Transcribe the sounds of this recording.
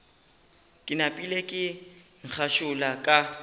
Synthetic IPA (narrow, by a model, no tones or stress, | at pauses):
kʼɪnapʼilekʼɪŋ̩k͡xʰaʃʊlakʼa